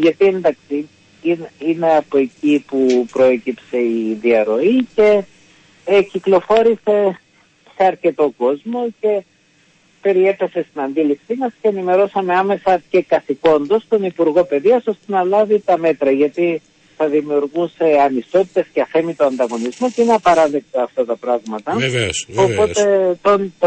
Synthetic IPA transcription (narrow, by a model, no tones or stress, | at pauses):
ʝɐt̪iend̪ɐksi | nine̞ɐpo̞e̞cipupɾo̞e̞cipse̞iðiɐɾo̞ice̞ | ciklo̞fo̞ɾise̞ | se̞ɐɾce̞t̪o̞ko̞zmo̞ce̞ | pe̞ɾie̞pe̞se̞st̪inɐnd̪ilipsimɐsceːnime̞ɾo̞sɐme̞ɐme̞sɐce̞kɐθiko̞nd̪o̞st̪o̞nipuɾɣo̞pe̞ðiɐso̞st̪e̞nɐlɐvit̪ɐme̞t̪ɾɐʝɐt̪i | θɐðimiuɾɣuse̞ɐnist̪o̞t̪i̥t̪e̞sceɐθe̞mit̪oɐnd̪ɐɣo̞nizmocineɐpɐɾɐðe̞k̚t̪ɐːft̪ɐt̪ɐpɾɐɣmɐt̪ɐveopo̞t̪e̞t̪on